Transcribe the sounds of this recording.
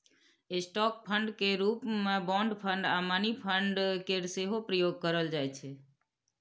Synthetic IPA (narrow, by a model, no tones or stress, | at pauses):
esʈɔk̚pʰəɳɖkeɾupmẽbɔ̃ɳɖpʰə̃ɳɖamanipʰəɳɖkeɾseɦopɾəjoɡ̚kəɾəld͡ʒajt͡ʃʰe